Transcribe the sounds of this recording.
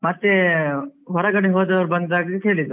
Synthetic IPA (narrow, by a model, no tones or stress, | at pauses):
mɐt̪ːe | ɦɔɾɐɡɐɽiɦoːd̪ɐʋɐɾbɐnd̪d̪aːɡekeːɭid̪u